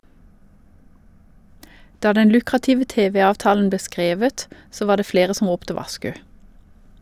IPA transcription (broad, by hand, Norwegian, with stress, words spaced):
ˈdɑː ˈdɛn ˈlʉkʁɑtɪʋə ˈteːʋɛ ˈɑːʋtɑːln̩ ˈbleː ˈskʁeːʋət ˈsoː ˈʋɑː ˈdeː ˈfɽeːʁə ˈsɔm ˈʁuːptə ˈʋɑʃkʉ